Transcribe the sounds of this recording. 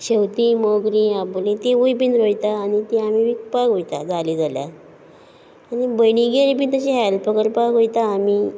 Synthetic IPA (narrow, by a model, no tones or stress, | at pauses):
ɕewt̪iːmoɡɾiaplĩt̪iʋujpinɾojt̪aːnit̪iamiʋikpakɦojt̪ad͡zaliːd͡zalja̰ | anibəjniɡeɾipint̪əɕiɦɛlpəkəɾpakɦojt̪aːmi